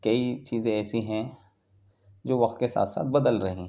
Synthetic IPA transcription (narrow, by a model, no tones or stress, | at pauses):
kɐit͡ʃiːzẽɛːsiɦɛ̃ | d͡ʒoːʋɐqt̪kesa̰ːt̪sa̰ːt̪̚bɐd̪əlɾɐɦĩ